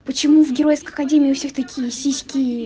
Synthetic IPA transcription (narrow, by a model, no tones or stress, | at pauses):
pət͡ɕɪmuvɡʲɪɾojɪskəɐkɐdʲemʲɪɪʊfsʲext̪ɐkʲijsʲisʲkʲij